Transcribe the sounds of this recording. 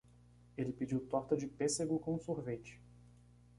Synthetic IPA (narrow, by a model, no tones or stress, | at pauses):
elɪpid͡ʒiwt̪ɔɾt̪ɐd͡ʒɪpeseɡʊkõsuɾvet͡ʃɪ̥